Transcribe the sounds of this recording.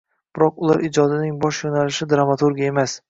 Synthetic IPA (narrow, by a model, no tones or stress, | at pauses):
b̥ɪɾɒqʊlˠaɾʔɪd͡ʒɒd̪ɪnɪŋbɒʃjonalɪʃɪd̪ɾamat̪uɾɡʲae̞mas